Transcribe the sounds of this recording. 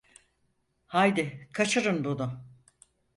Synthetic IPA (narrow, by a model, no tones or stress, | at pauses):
hajd̪ɪkʰat͡ʃʰɯɾɯnbunʊ